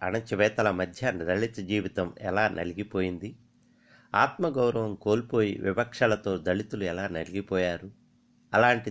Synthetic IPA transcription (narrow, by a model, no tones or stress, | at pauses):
ɐ̰nɐt͡ʃɐʋɛːt̪ɐlɐmɐd̪ʱjɐnd̪ɐɭit͡ʃɐd͡ʒiːʋit̪ɐmɛ̰laːnʔɐ̰liɡipoːjind̪i | aːt̪mɐɡɐwɾɐʋɐmko̞ːlipo̞ːjḭʋibɐkʂalɐt̪o̞ːd̪ɐɭit̪uluɛlaːnɐliɡipɔːjaːɾu | ɐlaːɳʈi